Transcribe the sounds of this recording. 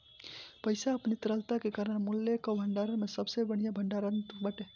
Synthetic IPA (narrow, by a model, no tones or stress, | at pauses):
pəjsaəpnit̪əɾəlt̪akekaɾəɽmulːekəbʱəɳɖaɾənmesəbsebəɽ̤ijabʱəɳɖaɾənbaʈe